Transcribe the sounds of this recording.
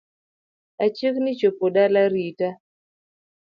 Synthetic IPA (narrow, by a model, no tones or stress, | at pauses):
at͡ʃiknit͡ʃopoɗalaɾita